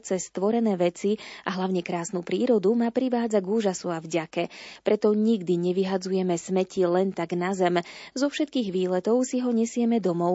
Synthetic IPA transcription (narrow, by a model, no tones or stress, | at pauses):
t͡sɛst̪ʋɔɾɛnɛːʋɛt͡siʔaɦlaʊɲɛkɾaːsnupɾiːɾɔd̪umapɾiʋaːd͡zaɡuːʒasuavɟakɛpɾɛt̪ɔɲiɡd̪iɲɛʋiɦad͡zujɛmɛsmɛcilɛnt̪aɡnazɛmzɔfʃɛt̪̚kiːɣʋiːlɛt̪ɔʊsiɦɔɲɛsɪɛmɛd̪ɔmɔʊ